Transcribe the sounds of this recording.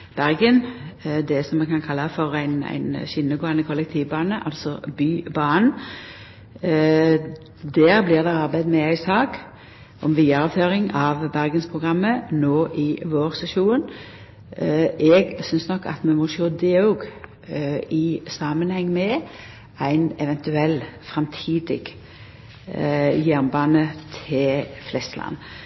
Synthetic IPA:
b̥æɾɡənd̪ɛsɔmːɛkʰɑnkʰɑlːɑfɔɾæɪnæ̰ɪnʃɪnːəɡoːɑnəkʰɔlɛk̚t̪ʰiːʋbɑːnəʔɑlsɔbyːbɑːn̩ | d̪æːɾblɪːʁd̪ɛɑʁbæɪd̪mɛæɪsɑːk | ɔmʋiːɑɾəfʰøːɾɪŋɑʋbæʁɡənspʰʁʊɡʁɑmːənoːʔɪʋoːʁsɛʃuːn | ʔɛɡsʏnsnɔkːɑ̰t̪mɛmɔʃoːd̪ɛɔːɡ | ɪsɑːmənhɛŋːmɛ | æɪnɛʋɛnt̪ʉɛlːfɾɛmt̪ʰiːd̪ɪ̰ɡ | jæʁnbɑːnət̪ʰɪlflɛst̪əlɑ̰nː

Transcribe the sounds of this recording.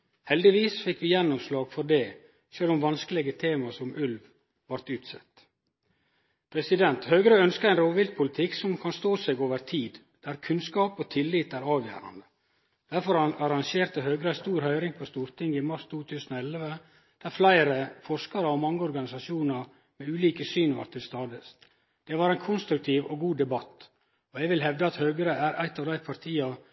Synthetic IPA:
hɛld̪ɪʋiːsfɪkʋɪjɛnːɔmslɑːɡfɔɖɛː | ʃøːlɔmʋɑnskəlɪɡət̪ʰeːmɑsɔmʉlʋ | ʋɑɾt̪ʉːt̪sɛ̰t̪ | pʰɾɛsɪd̪ɛnt̪høːɡɾəœnskəɾæɪnɾoːʋɪlt̪̚pʰʊlɪt̪ʰɪksɔmkʰɑnst̪oːsɛɡoːʋəɾt̪ʰiːd̪ | d̪̥æɾkʰʉnskɑːpot̪ʰɪlːiːt̪æɾɑːʋjæ̰ːɾɑ̰nd̪ə | d̪̥æɾfɔɾɑnɑɾɑŋʃeːɾt̪əɦøːɡɾəæst̪uːɾhœʏɾɪŋpʰɔst̪uːɾt̪ɪŋɪmɑɾst̪ʰuːt̪ʰʉːsənɔɛlʋə | d̪̥æɾflæɪɾəfɔɾʂkɑɾəɔmɑŋːəɔɾɡɑnɪsɑʂjuːnɑɾ | mɛʉːliːkəsyːnʋɑ̰ɾʈt̪ʰːɪlst̪ɑːd̪əs | d̪̥ɛʋɑɾæɪnkʰʊnst̪ɾʉk̚t̪ʰiːʋɔɡuːd̪ɛbɑt̪ː | ɔɛɡʋɪlɦɛʋd̪əɑt̪høːɡəɾəæɾʔæ̰ɪt̪ɑːʋd̪æɪpʰɑɾt̪ʰiːɑ

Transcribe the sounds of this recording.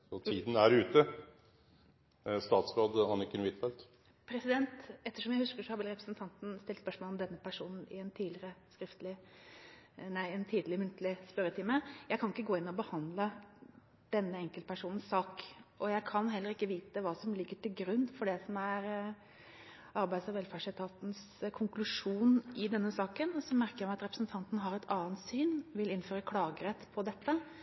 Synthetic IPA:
ɔt̪ʰiːd̪n̩æɾʉːt̪ə | st̪ɑːt̪sɾoːd̪ɑnːɪkənʋɪt̪fɛlt̪ | pʰɾɛsɪd̪ɛnt̪ɛt̪ːəʂɔmjæɪhʉskəʂɔhɑʋɛlɾɛpɾəsnt̪ʰɑnt̪n̩st̪ɪlt̪spœʂmɔlɔmd̪ɛnːəpʰæʂuːnn̩ɪɛnt̪ʰiːd̪lɪɾəskɾɪft̪lɪ | næɪɛnt̪ʰiːd̪lɪmʉnt̪lɪspœɾət̪ʰɪlməjæɪkʰɑnɪkːəɡoːɪnːɔbəhɑnd̪lə | d̪̥ɛnːəɛŋkəlt̪pʰæʂuːnn̩ssɑːkʔɔjæɪkʰɑnɦɛlːəɾɪkːəʋiːt̪əʋɑːsɔmlɪɡːəʈɪlɡɾʉnːfɔɖɛsɔmæɾ | ɑɾbæɪd̪sɑʋɛlfæʂɪt̪ʰɑːt̪n̩s | kʰʊŋklʉʂuːnʔɪd̪ɛnːəsɑːkənɔsɔmæɾkəjæmæɪɑt̪ɾɛpɾəsnt̪ʰɑnt̪n̩ɦɑɾɛt̪ʰɑːnt̪syːnʋɪlɪnføːɾəkʰlɑːɡəɾɛt̪ːpʰɔd̪ɛt̪ːə

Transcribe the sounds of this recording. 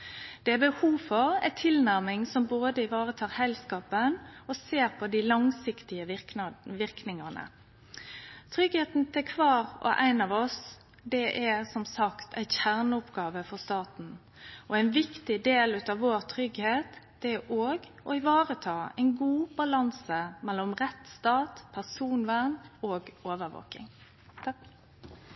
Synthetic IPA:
d̪̥ɛæbəhuːfɔɾæ̰ɪt̪ʰɪlnæʁmɪŋsɔmboːd̪əɪʋɑːʁət̪ʰɑːʁhɛlskɑːpənɔseːɾpʰɔd̪ɪlɑŋsɪkt̪ɪəɪʋɪɾknɪŋənə̰ | t̪ʰɾʏɡheːt̪n̩t̪ʰɛkʰʋɑːɾɔ̰ʔæɪnɑːʋɔs | d̪ɛʔæsɔmsɑkt̪ʰæ̰ɪnçæʁnəʊpɡɑːʋəfɔʁst̪ɑːt̪n̩ | ɔæɪnʋɪkt̪ɪd̪eːlʉːt̪ɑʋoːɾt̪ʰɾʏɡheːt̪d̪̥ɛæʔoːɡ | ɔɪʋɑːʁət̪ʰɑːæ̰ɪnɡuːbɑlɑnsəmɛlːɔmʁɛt̪st̪ɑːt̪pʰæʁsuːnʋæʁnoːɡoːʋəɾʋo̰ːkɪ̰ŋ

